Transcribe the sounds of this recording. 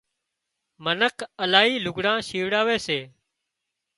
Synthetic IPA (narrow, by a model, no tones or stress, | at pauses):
mənəkəlaːɦiːlʊɡɽãːʃiːʋɽaːʋeːseː